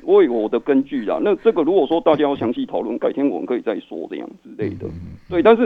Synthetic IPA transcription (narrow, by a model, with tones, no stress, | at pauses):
we˥˩wɔ˨˩d̪ə˦kə˦nt͡ɕy˥˩la̰˨˩na˥˧˨ʈ͡ʂɤ˥˩ɡə˨˩ɻu˧˥kwɔ˨˩ʂwɔ˥t̪a˥˨t͡ɕja˥jʊɕjɑ˧˥ŋɕi˥˩t̪ʰɑ˨ʊlwə̰˥˩nka˥˩ɪt̪ʰjɛ˥nwɔ˨˩mə̰˨˦kʰɤ˧˦i˨˩t͡sa˥˧ɪswɔ̰˥ʈ͡ʂɤ̰˥˧jɑ̰˥˩ŋɹ̩ɻ̩˥le˥˩ɪd̪ə̰˩t̪we˥˨ɪt̪a˥˧nʂ̬ɻ̩˥˩